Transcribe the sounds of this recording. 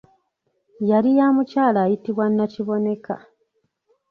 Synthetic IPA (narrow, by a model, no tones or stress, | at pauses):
jalijaːmucaːlaːjitiβwanːaciβo̞ne̞ka